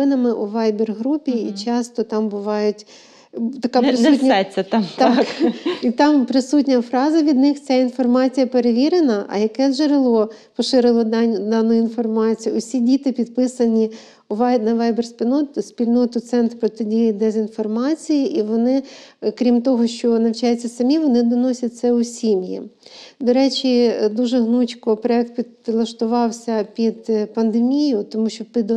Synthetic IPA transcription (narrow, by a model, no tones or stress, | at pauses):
ɪnɐmɪʔuʋɑjbirɦɾupʲiit͡ʃɑst̪ɔt̪ɑmbʊʋɑjʊtʲ | t̪ɐkɑpɾɪutʲnʲɛt͡sʲːɐt̪t̪ɑkit̪ɑmpɾɪsutʲnʲɐfɾɑzɐʋʲid̪nɪxt͡sʲainfɔrmɑt͡sʲijɐpeɾeʋʲiɾenɐʔɐ̰jɐkɛʒeɾɪlˠɔ | pɔʃɪɾɪlˠɔd̪ɑnːʊjinfɔrmɑt͡sʲijʊʊsʲidʲit̪ɪpʲid̪̚pɪsɐnʲi | ʋnɐʋɛjbersʲpʲilʲnɔt̪ʊsʲpʲilʲnɔt̪ʊt̪sɛnt̪pɾɔt̪edʲijɪd̪ɛzʲinfɔrmɑt͡sʲijiʔiʋɔnɪkɾʲimt̪ɔɦɔʃt͡ʃɔnɐwt͡ʃɑjt͡sʲːɐsɐmʲiʋɔnɪd̪ɔnɔsʲɐt̚ʲtsɛʊsʲimʲjḭd̪ɔɾɛt͡ʃʲid̪uʒɛɦnut͡ʃʲkɔpɾɔɛk̚t̪̚pʲi | lˠɐʃt̪ʊʋɑwsʲɐpʲid̪pɐnd̪emʲijʊt̪ɔmuʃt͡ʃɔpɪd̪